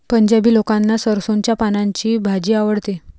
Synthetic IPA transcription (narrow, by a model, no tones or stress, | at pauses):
pəɲd͡ʑabiːlokãnːasəɾsoɲt͡ɕjapanaɲt͡ɕiːbʱad͡ʑiːaʋəɽt̪e